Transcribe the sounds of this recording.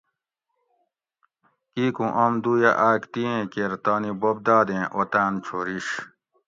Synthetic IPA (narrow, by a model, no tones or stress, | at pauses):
kiːkũʔɐmd̪uːjaʔaːkt̪iẽkeːɾt̪aːnibob̚d̪aːd̪ẽʔot̪aːnt͡ɕʰoːɾiɕ